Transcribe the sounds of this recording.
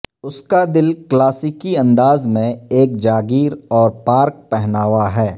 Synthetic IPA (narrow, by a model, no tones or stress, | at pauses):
ʊskad̪ɪlklaːsɪkiɐ̃nd̪aːzmẽeːk̚d͡ʒaːɡiːɾɔːɾpaːɾk̚pɛɦnaːwaɦɛː